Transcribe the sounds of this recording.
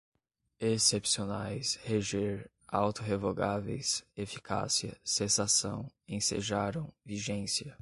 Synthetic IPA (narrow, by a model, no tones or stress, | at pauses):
esepsionajsheʒeɾ | awt̪oɦevoɡavḛjsefi̥kʰa̰siɐsesasɐ̰̃w̃ẽsḛʒaɾɐ̃w̃viʒẽsiɐ